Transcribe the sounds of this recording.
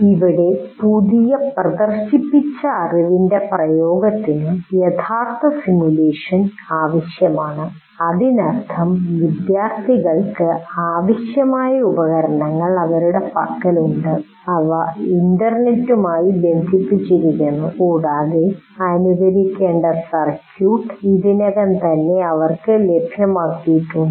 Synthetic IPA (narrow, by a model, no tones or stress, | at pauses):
iʋiɽe̞puðijɐprɐd̪ɐrɕipːit͡ɕːɐːriʋinde̞prɐjoːɡɐt̪ːinɨjet̪ʰaːrt̪ʰːɐsimjule̞ːʂɐn | aːʋɐɕjɐmaːɳɨ | ɐðinɐrt̪ʰɐmʋid̪jaːrt̪ʰiɣɐɭkɨaːʋɐɕjɐmaːjɐubɐɣɐɾɐɳɐŋːɐɭɐʋɐɾuɽe̞pɐkːɐluɳɖɨ | ɐʋɐindɐrnetːumaːjibend̪ʱipːit͡ɕːiɾikʲːunːukuːɽaːðe | ɐnuɣɐɾikʲːeːɳɖɐsɐrkːjuːʈːiðinɐɣɐnt̪ɐnːe̞ɐʋɐrkɨlebʱjɐmaːkːijiʈːuɳɖɨ